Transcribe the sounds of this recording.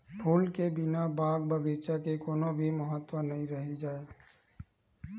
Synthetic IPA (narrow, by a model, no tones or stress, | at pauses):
pʰuːlkebɪnabaːɡ̚bəɡeːt͡ʃakekoːnobʱiməɦət̪ːwənɐɦĩɾəɦid͡ʒaːe